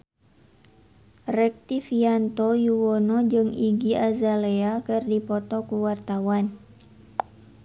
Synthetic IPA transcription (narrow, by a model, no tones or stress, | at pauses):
rɛk̚t̪ifiant̪ojuwɔnɔd͡ʒɨŋiɡiazaleakɨrdipɔt̪ɔkuwart̪awan